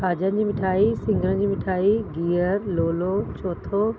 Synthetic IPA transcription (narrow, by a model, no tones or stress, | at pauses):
aːd͡ʑəd͡ʑiːmɪʈʰaːisɪ̃ŋɡəɾə̃d͡ʑiːmɪʈʰaːiɡiːəɾloːlot͡ɕoːt̪ʰo